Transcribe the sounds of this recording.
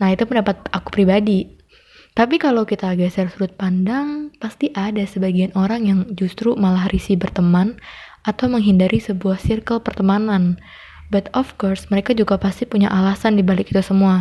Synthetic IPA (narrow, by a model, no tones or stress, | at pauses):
naɦit̪upəndapat̪̚aku̥pɾibadi | t̪apikalawkit̪aɡasərsuɾʊt̪̚pandaŋpast̪iʔadasəbaɡianoɾaŋjaŋd͡ʒust̪ɾumalahrisibərt̪əman | at̪awməŋɦindaɾʔisəbuahsirkəlpərt̪əmanan | bat̪ɔfkɔrsməɾekad͡ʒuɡapast̪ipuɲa̰ʔalasandibalɪkit̪usəmua